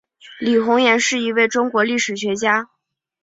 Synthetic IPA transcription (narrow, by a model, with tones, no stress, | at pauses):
li˨˩xʊ˧˥ŋjɛ˧˥nʂɻ̩˥˩i˧˥we˥˩ɪʈ͡ʂʊ˥ŋkwɔ˧˥li˥˩ʂɻ̩˨˩ɕɥɛ˧˥t͡ɕja˥